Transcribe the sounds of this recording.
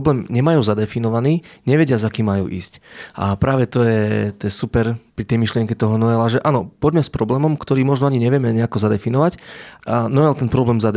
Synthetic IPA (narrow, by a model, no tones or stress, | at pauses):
blɛːmɲɛmajuːzad̪ɛfinɔʋaniːɲɛʋɛɟɪazakiːmːajṵːʔḭːscʔapɾʔaːʋɛt̪ɔjɛt̪ɔjɛsupɛɾpɾit̪ɛjmiʃlɪɛŋkɛt̪ɔɦɔnɔɛlaʒɛʔanɔpɔɟmɛspɾɔblɛːmɔmkt̪ɔɾiːmɔʒnɔaɲiɲɛʋɪɛmɛɲɛakɔzad̪ɛfinɔʋac | nɔɛlt̪ɛnpɾɔblɛːmzad̪